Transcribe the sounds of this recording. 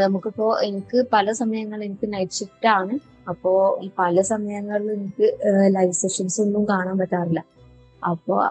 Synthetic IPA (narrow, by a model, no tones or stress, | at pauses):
nɐmukːɐpːo̞ːʔe̞nikʲːɨpɐlɐsɐmɐjɐŋːɐɭe̞nikʲːɨnɐjʈʂiʈːaːɳɨ | ɐpːo̞ːpɐlɐsɐmɐjɐŋːɐɭilenikʲːɨlɐjʋseːʂɐnsunːumkaːɳaːmpɐtːaːrilːɐ | ɐ̰pːo̰ː